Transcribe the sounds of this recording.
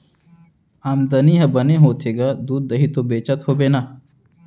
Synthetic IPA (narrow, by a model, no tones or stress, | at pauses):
aːmd̪ɐniːɦɐ̃bɐnẽːɦoːt̪ʰeːɡaːd̪uːd̪̚ːɐɦit̪obeːt͡ʃət̪hoːbeːnaː